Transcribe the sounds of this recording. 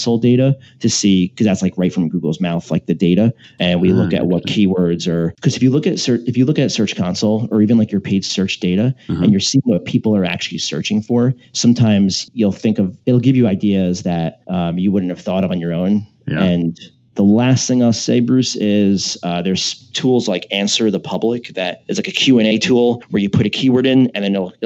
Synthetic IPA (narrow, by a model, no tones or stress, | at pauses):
sl̩ˠdeɪɾəɾɨsikʰʌzðætslaɪkɹaɪtfɹʌ̃mɡuɡl̩ˠzmaʊθlaɪk̚ðɨdeɪɾɨɨ̃nwilʊkɨ̰ʔ̚wʌt̚kʰiwɜ˞dzə˞kʰʌzɨfjɨlʊkɨtsɜ˞ɨfjɨlʊkɨtsɜ˞t͡ʃkʰɑ̃nsl̩ˠə˞ivɨ̃nlaɪkjə˞pʰeɪd̥ʒ̥sɜ˞t͡ʃd̥eɪɾɨɨ̃njə˞siɪ̃ŋwʌt̚pʰipl̩ˠə˞æ̰k̚t͡ʃʉl̩ˠisɜ̰˞t͡ʃɪ̃ŋfə˞ | sʌ̃mtʰãɪ̃mz̥julˠθɪ̃ŋkʌvɪɾl̩ˠɡɪvjɨaɪdiɨzðɨt̚ʔʌ̃mjɨwʊdⁿn̩tɨv̥θɔɾʌvn̩jə˞õʊ̃n | ɨ̃n | ðəlæst̪̚θɪ̃ŋaɪlˠseɪbɹʉsɪz̥ʌðə˞z̥tʰulˠzlaɪkæ̃nsə˞ðəpʰʌblɪkðɨɾɨz̥laɪkɨkʰj̥ʉɛ̃neɪtʰulˠwə˞jɨpʰʊɾɨkʰiwə˞ɾɪ̃nɨ̃nðɨ̃nɪl̩ˠ